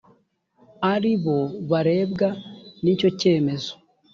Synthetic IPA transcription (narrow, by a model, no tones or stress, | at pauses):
aɾiβo̞βaɾe̞ːbɡanico̞ce̞ːme̞zo̞̥